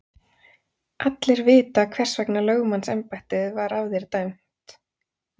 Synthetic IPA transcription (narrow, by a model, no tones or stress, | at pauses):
ʔat̪lɪɾvɪːt̪akʰv̥ɛr̥svɛknalœːɣmansɛ̰mpajht̪ɪðvaɾavðɛɾt̪ajm̥ | t̪